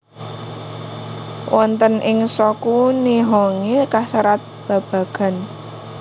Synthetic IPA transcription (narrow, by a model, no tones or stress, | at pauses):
wʔɔnt̪ənʔɪŋsɔkuniɦɔŋekasaɾat̪̚b̥a̤b̥a̤ɡ̥a̤n